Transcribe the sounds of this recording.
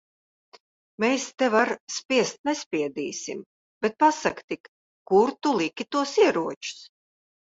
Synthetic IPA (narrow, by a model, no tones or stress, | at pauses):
meːst̪ɛvaɾspʲiɛst̪̚nɛspʲiɛd̪iːsḭm | b̥et̪̚pasakt̪ik | kuɾt̪ulˠikʲit̪uɔsiɛɾuɔt͡ʃu̥s